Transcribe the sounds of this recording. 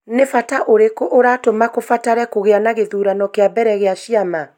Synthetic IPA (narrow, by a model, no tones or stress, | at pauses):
nefataʔoɾekoʔoɾatomakofataɾɛkoɣeanaɣeðuɾanɔkeabɛɾɛɣeaʃiama